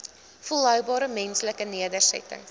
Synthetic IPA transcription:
fəlœɥbɑːɾəmɛnsləkəniədərsɛ̰tə̰ŋ

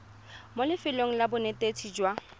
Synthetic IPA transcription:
molɪfɪloŋ̩labʊnetet͡sʰid͡ʒwa

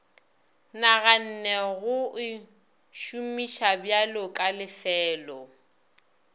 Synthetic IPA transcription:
naɣan̩nɛɣʊɪ | ʃumiʃabjalʊkʼalɪfɛːlɔ

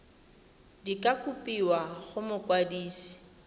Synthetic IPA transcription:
dikʼakʼupʼiwaɣʊmʊkʼwadiːsi̥

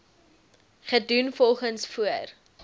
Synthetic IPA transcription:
χədunfɔlˠχənsfuər

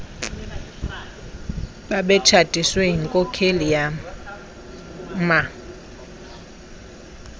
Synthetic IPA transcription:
ɓaɓɛt͡ʃʰadʼʱiswɛɦiŋkʼɔkʰelija | ma

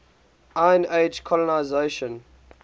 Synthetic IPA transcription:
ãɪ̃ned͡ʒkʰɔlɔnaɪzeʃə̃n

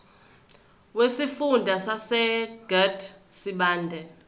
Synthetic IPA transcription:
wesifundʱasasɛɡ̥ɛdʰsiɓaːndʱɛ

